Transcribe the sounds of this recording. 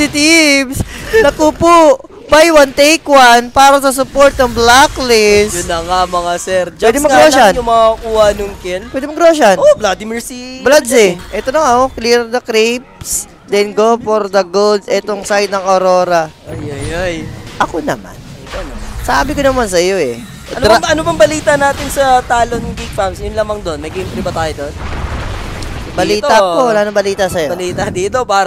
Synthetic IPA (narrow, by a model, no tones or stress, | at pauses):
sɪt̪ibsnɐkupu | bajwɐnt̪ejkwanpaːɾɐsɐs̬ʊpoɾt̪̚nɐŋblaklɛsjʊnɐŋamɐŋasɛɾd͡ʒɛd̪ɪmɐɡɾoʃanʊmɐŋakuːhɐnʊŋkɛlpwɛd̪ɪmɐɡɾoːʃɐnoblad̪imɛɹsiblad̪sɛʔɛt̪onɐŋaokliɾd̪ɐkɾip̚s | d̪ɛnɡofoɾd̪ɐɡold̪sɛt̪oŋsajd̪̚nɐŋʔoɾoːɾɐojojojʔɐkonɐ̰ma̰nɐt̪onsaːbɪkonɐmans̬ɐjo̞ʔɛ | ɐnoɾɐnobɐŋbɐliːt̪ɐnaːt̪ɪnsɐt̪aːlonŋkiɡ̚famsjʊnlamɐŋd̪onːɐɡɪmpɾɪbɐt̪aːjod̪on | bɐliːt̪apowɐlaːnɐŋbɐliːt̪ɐsɐjoɐliːt̪ɐd̪iːt̪owpaːɾ